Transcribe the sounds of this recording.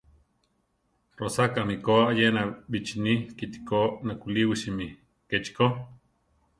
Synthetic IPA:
rosakamikoajenabit͡ʃinikit̪i̥konakuliwiʃimi | ket͡ʃko

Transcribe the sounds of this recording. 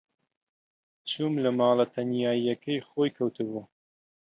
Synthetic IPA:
t͡sumlɐmɑːlɐt̪ʰɐnjaːijɐkʰɐjxoːjkʰɐwt̪ʰɨbu

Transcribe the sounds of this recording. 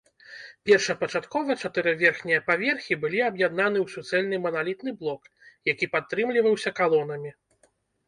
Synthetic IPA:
pʲɛrʂɐpɐt͡ʂat̪kɔvɐt͡ʂat̪ɨɾɐvʲɛrxnʲijɐpavʲɛrxʲibɨlʲiabjad̪̚nanɨwsʲut̪sɛlʲnɨmɐnalʲit̪nɨblˠɔk | jakʲipat̪ːɾɨmlʲivɐwsʲɐkalˠɔnɐmʲi

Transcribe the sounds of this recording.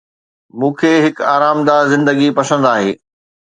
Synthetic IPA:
mũːkʰeːɦɪkaːɾaːmd̪azɪ̃nd̪əɡipɐsə̃nd̪aːɦḛː

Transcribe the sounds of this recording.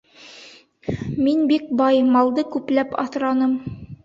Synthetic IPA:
minbik̚bɑjmɑlˠd̪ɤkʉplæpɑ̰θɾɑnɤm

